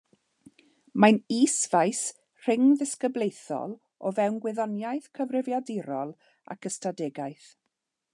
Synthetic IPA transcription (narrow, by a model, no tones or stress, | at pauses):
maniːsvajs | r̥ɪŋðɪskəblˠejθɔ̰lˠ | ɔvɛwnɡwɪðɔnjajθkʰəvrɪvjadɪɾɔlˠ | a̰kʰəstadɛɡajθ